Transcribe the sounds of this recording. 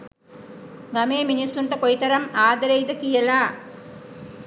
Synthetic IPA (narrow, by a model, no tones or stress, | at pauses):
ɡɐmeːminisuɳʈɐkojit̪ɐɾɐmaːd̪ɐɾɐjd̪ɐkijɐlaː